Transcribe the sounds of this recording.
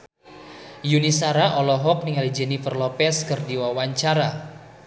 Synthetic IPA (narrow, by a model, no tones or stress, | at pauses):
junisaɾaʔɔlɔɦɔk̚niŋalid͡ʒɛnifərlɔpɛskɨrdiwawaɲt͡ʃaɾa